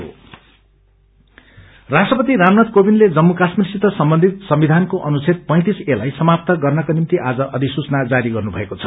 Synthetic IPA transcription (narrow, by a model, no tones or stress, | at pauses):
o̰ | rasʈrʌpʌt̪iɾamnʌt̪̚kobinled͡zʌmːukasmirsit̪ːʌsʌmbʌnd̪ʱit̪sʌmbid̪ʱankoʔʌnut͡sʰet̪̚pʌj̃t̪iselajsʌmap̚t̪ʌɡʌrnʌkonimt̪iʔad͡zʌʔʌd̪ʱisut͡snad͡zaɾiɡʌrnubʱʌ̰ekot͡sʰʌ̥